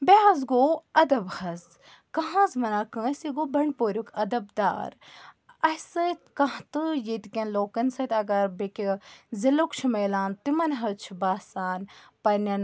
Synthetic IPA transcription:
beɦɐzɡoːɐd̪ɐbhɐz | kɐɦãzmɐnaːkə̃ːsiɡoːbɐɳʲpoːɾʲukɐd̪ɐbd̪a̰ːɾ | ɐsɨt̪kɐt̪ɨjit̪kʲɐnloːkɐnsɐt̪ɐɡɐɾbekʲizilokt͡ʃʰimeːlaːnt̪imɐnɦɐt͡ʃʰibaːsaːnpɐnɐn

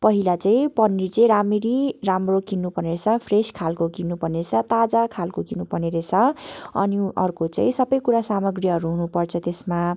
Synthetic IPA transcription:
pʌɦilat͡saĩpʌnːit͡saĩɾamiɾiramrokinːupʌneɾt͡sʰʌpʰreskʰalkokinːupʌnet͡sʰʌt̪ad͡zakʰalkokinːupʌneɾet͡sʰʌʌ̰niʌrkot͡sa̰ĩsʌbʌjkuɾasamʌɡrjʌɦʌɾuɦunupʌrt͡sʰʌt̪esma

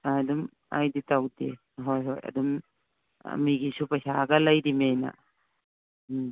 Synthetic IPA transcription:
adum | a̰jditawde | ɦojɦo̰jɐ̰dum | a̰miɡisupɐjsaɡɐlɐjdimena̰

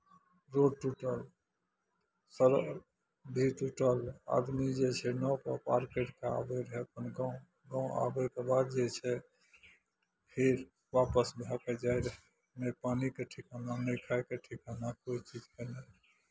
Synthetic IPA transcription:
ɾoɖʈuʈəl | səɾ | bʱiʈuʈəla̰d̪mid͡ʒet͡ʃʰɛnɔpəpaɾkeʈkea̰beɾəɦɛəpənɡa | ɡãũa̰bɛkebad̪d͡ʒet͡ʃʰɛ | pʰiɾ | ʋapəsbʱaked͡ʒaeɾəɦɛ | mepanikeʈʰikananekʰaekeʈʰikanakoit͡ʃid͡ʒkenɛ

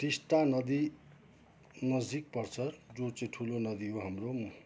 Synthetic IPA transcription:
ʈisʈanʌd̪i | nʌd͡zik̚pʌrt͡sʰʌd͡zot͡sʌĩʈʰulonʌd̪iɦoɦamrom

